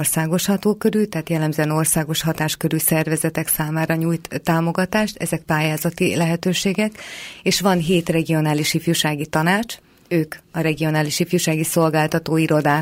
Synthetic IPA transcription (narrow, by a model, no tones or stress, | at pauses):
rsaːɡo̞ʃhɒt̪oːkø̞ɾylt̪ɛɦːt̪jɛlːɛmzɛno̞rsaːɡo̞ʃhɒt̪aːʃkø̞ɾylsɛrvɛzɛt̪ɛksaːmaːɾɒɲuːjt̪ːaːmo̞ɡɒt̪aːʃt̪ɛ̰zɛk̚paːjaːzɒt̪ilɛɦɛt̪øːʃeːɡɛkeːʃʋɒnɦeːt̪rɛɡio̞naːliʃifjuʃaːɡit̪ɒnaːt͡ʃ | øːkɒɾɛɡio̞naːliʃifjuːʃaːɡiso̞lɡaːlt̪ɒt̪oːiɾo̞d̪aː